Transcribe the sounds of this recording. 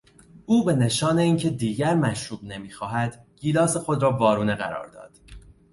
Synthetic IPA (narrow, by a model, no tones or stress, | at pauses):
uːbe̞ne̞ʃɒːne̞iːncʰe̞d̪iːɟæɾmæʃɾuːbne̞miːxɒːɦæd̪̥ɟ̥iːlɒːse̞xod̪ɾɒːvɒːɾuːneɣæ̰ɾɒ̰ːɾd̪ɒ̰ːd̪̥